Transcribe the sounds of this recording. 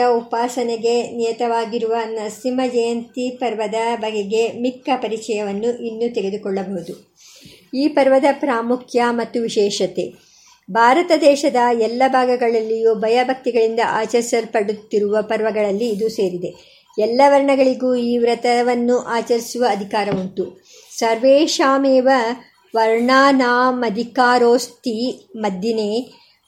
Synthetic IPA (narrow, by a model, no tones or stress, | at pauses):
ɐupaːsɐneɡe̞nijɐt̪ɐʋaːɡiɾuʋɐnɐsimɐd͡ʒɐjɐnt̪ipɐɾʋɐd̪ɐbʱɐɡeɡe̞mikːɐpɐɾit͡ʃɐjɐʋɐnːuʔinːut̪eɡe̞d̪ukɔɭːɐbɐɦud̪u | iːpɐɾʋɐd̪ɐpɾaːmukʰjɐmɐt̪ːuʋiʃɛːʃɐt̪e̞̰ | bʱaːɾɐt̪ɐd̪ɛːʃɐd̪ɐɛlːɐbʱaːɡɐɡɐɭɐlːijuːbʱɐjɐbʱɐk̚t̪iɡɐɭind̪ɐ̰ʔaːt͡ʃɐɾisɐɾpɐɽut̪ːiɾuʋɐpɐɾʋɐɡɐɭɐlːiːd̪use̞ːɾid̪e̞ | ɛlːɐʋɐɾɳɐɡɐɭiɡuːiːʋɾɐt̪ɐʋɐnːuʔaːt͡ʃɐɾisuʋɐːd̪ʱikaːɾɐuɳt̪u | sɐɾʋeːʃaːmeːʋɐ | ʋɐɾɳaːnaːmɐd̪ʱikaːɾoːst̪imɐd̪ːineː